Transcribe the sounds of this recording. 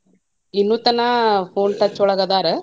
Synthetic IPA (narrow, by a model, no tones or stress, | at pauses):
inːuːt̪ɐnːɐpʰoːnʈɐt͡ʃːɔɭɐɡɐd̪aːɾɐ